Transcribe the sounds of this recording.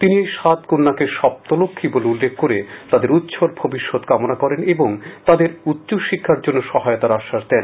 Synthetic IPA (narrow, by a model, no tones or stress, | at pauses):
t̪iniejʃat̪kunːakeʃɔb̚t̪olokʰːiboleulːeɡ̚koɾet̪ad̪eɾut̪ːɕʰoɾbʱobiʃːod̪kamonakɔɾeneboŋt̪ad̪eɾut̪ːt͡ɕoʃikʰːaɾd͡ʑonːoʃɔɦajot̪aɾaʃːaʃd̪ɛn